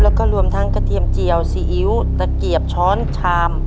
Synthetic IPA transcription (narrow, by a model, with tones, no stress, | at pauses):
lɛː˦˥wkɔː˥˩ɾu˧əmt̪ʰa˦˥ŋka˧t̪ʰi˧əmt͡ɕi˧˩əwsiː˧˩ʔi˧˦˥w | t̪a˧˩ki˨˩əp̚t͡ɕʰɔː˦˥nt͡ɕʰaː˧m